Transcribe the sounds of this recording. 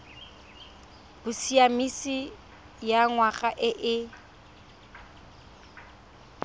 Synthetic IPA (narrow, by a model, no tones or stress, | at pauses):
b̥ʊsiamisi | jaŋwaχaʔɪʔɪ